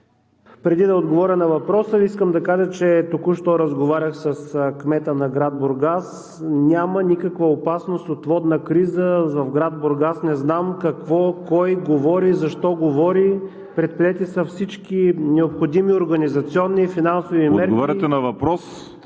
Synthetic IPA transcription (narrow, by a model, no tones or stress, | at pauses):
pɾɛd̪id̪ɐod̪ɡovɔɾʲənɐvɐpɾɔsəiskəmd̪ɐkaʒət͡ʃɛt̪okuʃt̪ɔɾəzɡovaɾʲəxsəskmɛt̪ənɐɡɾad̪̚boɾɡas | nʲamənikəkvɐopasnost̪ot̪vɔd̪nəkɾizəvɐvɡɾad̪̚boɾɡasnɛznamkɐkvɔkɔjɡovɔɾizɐʃt̪ɔɡovɔɾi | pɾɛt̪̚pɾiɛt̪isəfsit͡ʃkinɛopxod̪imioɾɡɐnizɐt̪siɔnːifinansovimɛɾɡovaɾʲɛt̪ɛnɐvɐpɾɔs